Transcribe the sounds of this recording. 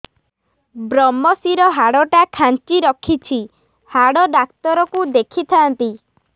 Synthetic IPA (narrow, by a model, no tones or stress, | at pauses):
bɾɔmːɔsiɾɔɦaɽɔʈakʰant͡ʃiɾɔkʰit͡ʃʰi | haɽɔɖak̚t̪ɔɾɔkud̪ekʰit̪ʰant̪i